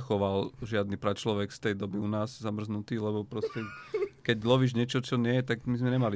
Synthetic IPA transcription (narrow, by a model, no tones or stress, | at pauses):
xɔʋalʒɪad̪nipɾat͡ʃlɔʋɛkft̪ɛjd̪ɔbiunaːzzamr̩znut̪iːlɛbɔpɾɔscɛkɛɟlɔʋiːʒɲɪɛt͡ʃɔt͡ʃɔɲɪɛjɛt̪aɡmizmɛɲɛmali